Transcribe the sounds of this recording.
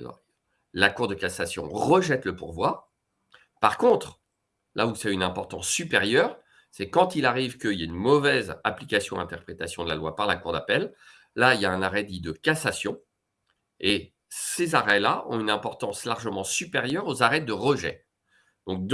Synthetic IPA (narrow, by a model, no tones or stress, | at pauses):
lakuʁd̪əkasasjɔ̰̃ʁəʒɛt̪ləpuʁvwaʁ | paʁkɔ̃t̪χ | lʔausaynɛ̃pɔʁt̪ɑ̰̃sːypeʁjœʁ | sɛkɑ̃t̪ilaʁivkəiljaynmɔvɛzaplikʲasjɔ̃ɛ̃t̪ɛʁpχet̪asjɔ̃d̪əlalwapaʁlakuʁd̪apɛlː | ailjaɛ̃naʁɛd̪id̪əkasasjɔ̃ | e | sezaʁɛlaʔɔ̰̃ynɛ̃pɔʁt̪ɑ̃slaʁʒəmɑ̃sypeʁjœʁozaʁɛd̪əʁəʒɛ̰ | d̪̥ɔ̃k̚d̪